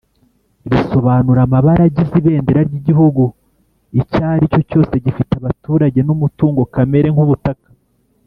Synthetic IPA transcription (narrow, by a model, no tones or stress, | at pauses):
ɾiso̞βaːnuɾamaβaɾaɟiziβe̞ːndeɾaɾɟiɟiɦuɡu | icaːɾico̞co̞ːse̞ɟifitaβatuːɾaɟe̞numutuːŋɡo̞kame̞ɾe̞ŋhuβutakḁ